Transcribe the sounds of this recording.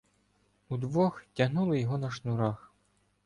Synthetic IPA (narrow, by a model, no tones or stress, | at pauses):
ud̪ʋɔxtʲaɦnulˠɐjɔɦɔnɐʃnuɾax